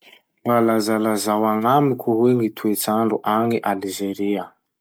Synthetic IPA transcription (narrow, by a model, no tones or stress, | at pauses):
lalazalazawaŋamikʰʲuɦweŋit̪ʰuet͡saɳɖ͡ʐuʔaŋiʔalizeɾiə